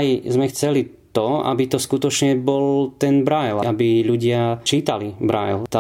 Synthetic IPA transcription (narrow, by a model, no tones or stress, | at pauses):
jzmɛxt͡sɛlit̪ɔa̰bit̪ɔskut̪ɔt͡ʃɲɛbɔlt̪ɛnbɾajlabiʎuɟɪat͡ʃiːt̪alibɾa̰jlt̪a